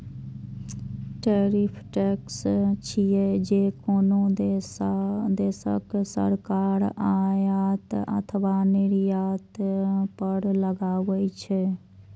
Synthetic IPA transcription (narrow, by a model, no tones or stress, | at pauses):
ʈeɾipʰʈɛkst͡ʃʰijed͡ʒekono | d̪esə̰ksə̰ɾkaɾajat̪ə̰t̪ʰəʋaniɾjat̪pəɾləɡawɛt͡ʃʰɛ